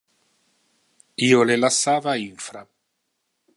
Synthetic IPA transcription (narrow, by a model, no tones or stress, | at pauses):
iːolelasːaːvaiɱfɾa̰